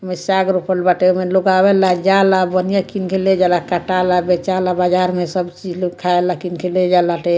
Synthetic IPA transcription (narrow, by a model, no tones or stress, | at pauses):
mesaɡɾupəlbaʈemeloɡabɛlad͡ʒalabənijakinkʰeled͡ʒalakaʈalabet͡ʃalabad͡ʒaɾmesəbt͡ʃid͡ʒlkʰaelakinkʰeled͡ʒalaʈe